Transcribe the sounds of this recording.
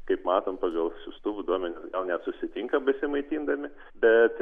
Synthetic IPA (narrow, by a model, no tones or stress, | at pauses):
kɐɪpmɑːt̪oːmpɑːɡɐlˠsʲʊst̪ʊʋʊd̪uɔmʲɛnʲʊsɡɐlˠnʲɛt̪sʊsʲɪt̪ʲiŋkɐbɐsʲɪmɐɪt̪ʲiːnd̪ɐmʲɪ | bʲɛt̪